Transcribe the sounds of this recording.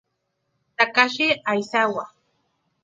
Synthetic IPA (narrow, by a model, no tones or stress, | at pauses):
t̪akaʃɪajsawa